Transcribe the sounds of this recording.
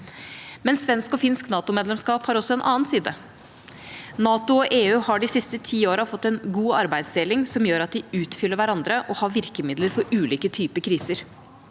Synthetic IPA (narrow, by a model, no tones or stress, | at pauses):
mɛnsʋɛnskɔfɪnsknɑːt̪ʊmeːd̪lɛmskɑːphɑːɾɔsːɔɛnʔɑ̰ːnsiːd̪ə | nɑːt̪ʊɔʔeːʉːhɑɖɪsɪst̪ət̪ʰiːoːɾəfɔt̪ːɛnɡuːɑɾbæɪd̪sd̪eːlɪŋsɔmjøːɾɑt̪̚d̪ɪʉːt̪fʏlːəɾʋæɾɑnd̪ɾəʔɔhɑːʋɪɾkəmɪd̪ləɾfɔɾʉːliːkət̪ʰyːpəkʰɾiːsəɾ